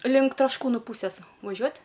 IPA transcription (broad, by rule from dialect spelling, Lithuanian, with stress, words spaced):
lʲɪŋk trɐʃˈkuːnʊ ˈpuːsʲeːs ʋɐˈʒʲuɔtʲ